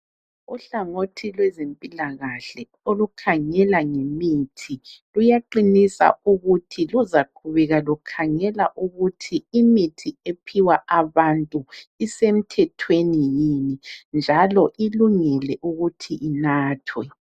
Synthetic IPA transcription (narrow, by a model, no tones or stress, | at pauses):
uɬaŋotʰilwɛzempʼilaɣaɬɛ | olukʰaŋɛlaŋemitʰilujaǃinisa̰uɣutʰiluzakʰuβɛɣalukʰaŋɛlaʔuɣutʰiimitʰiepʰiwaʔaβantʼuisem̩tʰɛtʰwenijinind͡ʒʱalɔʔiluŋɛlɛʔuɣutʰiʔinaːtʰwɛ